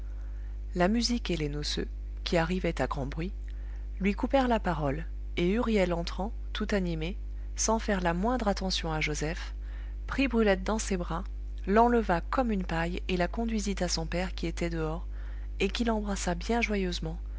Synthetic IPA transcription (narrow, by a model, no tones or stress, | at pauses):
lamyzikelenosø̰ | kʲʰiaʁivɛt̪aɡʁɑ̃bʁɥi | lɥikupɛʁlapaʁɔl | eyʁjɛlɑ̃t̪χɑ̃ | t̪ʰut̪anime | sɑ̃fɛʁlamwɛ̃d̪ʁat̪ɑ̃sjɔ̃aʒozɛf | pχibʁylɛt̪̚d̪ɑ̃sebʁa | lɑ̃ləvakɔmynpaj | elakɔ̃d̪ɥizit̪asɔ̃pɛʁkʲiet̪ɛd̪əɔʁ | ekʲilɑ̃bʁasabjɛ̃ʒwajøzmɑ̃